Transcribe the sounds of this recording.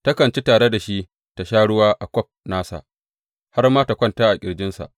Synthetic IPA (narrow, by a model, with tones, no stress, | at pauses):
tɐ˦kɐ˨nt͡ʃi˦taː˨ɽe˦da˨ʃi˦ | ta˨ʃaː˦ɽʊ˦waː˦ʔa˨kʷɔ˦p̚naː˦sa̰˨ʔ | ha˦rmaː˦ta˨kʷɐ˦ntaː˦ʔa˨kʲʼɪ˨ɽd͡ʒɪ˦nsa̰˨ʔ